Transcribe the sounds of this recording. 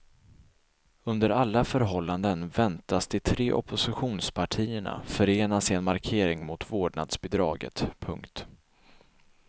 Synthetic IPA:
ɵnd̪əɾalːafœɾɦɔlːand̪ənvɛnt̪asd̪ɪt̪ʰɾeːʔɔ̰pʰʊsɪɧuːnspʰaʈʰiːəɳa̰fœɾeːnasɪɛnmaɾkʰeːɾɪŋmʊt̪voːɖɳa̰d̪sbɛd̪ɾɑ̰ːɡə̰t̪pʰɵŋkt̪

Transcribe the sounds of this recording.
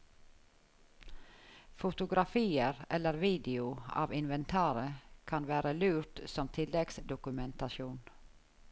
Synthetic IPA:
fʊt̪ʊɡɾɑfiːəɾʔɛlːəɾʋiːd̪ɪʊɑ̰ːʋɪnʋɛnt̪ʰɑːɾəkʰɑnʋæːɾəlʉːɾt̪sɔmt̪ʰɪlɛɡsd̪ʊkʉmɛnt̪ɑʃuːn

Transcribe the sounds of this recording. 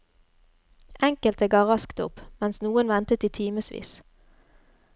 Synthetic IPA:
ʔɛŋkəlt̪əɡɑːʁɑskt̪ʊ̰pmɛnsnuːənʋɛnt̪ət̪iːt̪ʰiːməsʋḭːs

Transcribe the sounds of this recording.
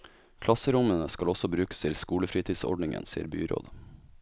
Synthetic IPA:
kʰlɑsəɾʊmənəskɑlɔsɔbɾʉːkə̥st̪ʰɪlskuːləfɾiːt̪ʰiːsɔ̰ɖɳɪŋə̰nsḭːəɾby̰ːɾo̰ːd̪

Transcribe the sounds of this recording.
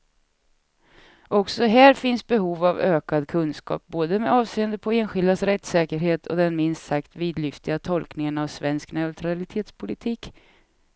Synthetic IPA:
ʔɔksɔɦæːɾfɪnsbɛɦuːvavøːkad̪kʰɵnskɑ̰ːp̚boːd̪əmɛɑːvseːənd̪əpʰɔeːnɧɪld̪asɾɛt̪sɛːkəɾɦeːt̪ʰɔ̰d̪ɛnmɪnst̪sakt̪viːd̪lʏft̪ɪɡat̪ʰɔlknɪŋənavsvɛnsknɛʉt̪ʰɾalɪt̪ʰeːt̪spʰʊlɪt̪ʰiːk

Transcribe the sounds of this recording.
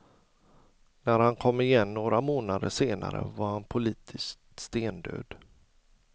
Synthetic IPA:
næɾhankʰɔmːɪjɛnːoːɾamoːnad̪əʂeːna̰ɾə̰vaɾhanpʰʊliːt̪ʰɪskt̪st̪eːnd̪ø̰ːd̪

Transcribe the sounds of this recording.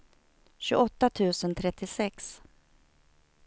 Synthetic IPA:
ɕɵ̰ʔɔt̪ːat̪ʰʉ̟ːsənt̪ʰɾɛt̪ːɪsɛks

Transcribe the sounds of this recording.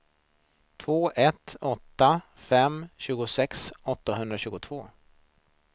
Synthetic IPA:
t̪ʰvoːʔɛt̪ɔt̪ːa | fɛmɕʉ̟ːɡʊsɛksɔt̪ːaɦɵnd̪ɾaɕʉ̟ːɡʊt̪ʰv̥oː

